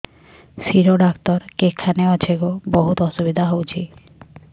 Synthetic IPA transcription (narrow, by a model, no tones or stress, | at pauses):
siɾoɖakt̪ɔɾkekʰːaneɔt͡ɕʰeɡobɔɦut̪ɔʃubid̪ʱaɦowt͡ɕʰi